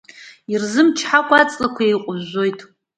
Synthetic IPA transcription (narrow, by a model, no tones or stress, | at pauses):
irzɨmt͡ʃʰħakʷʰʼat͡sʼlakʷʰaejqʷʼʊʒojtʰʼ